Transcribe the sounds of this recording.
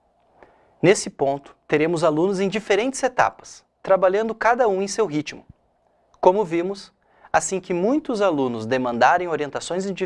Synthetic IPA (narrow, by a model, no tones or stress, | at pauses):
nesɪpõnt̪ʊ̥t̪eɾẽmʊzalũnʊzẽj̃d͡ʒifeɾẽnt͡ʃ̪ɪ̥zet̪a̰pɐ̥s | t̪ɾabaʎɐ̃nd̪ʊkad̪ɐũẽj̃sewɦit͡ʃmʊ | kõmʊvĩmʊs | asĩkɪmũj̃t̪ʊzalũnʊzd̪emɐ̃nd̪aɾẽj̃oɾiẽnt̪asõj̃zẽd͡ʒi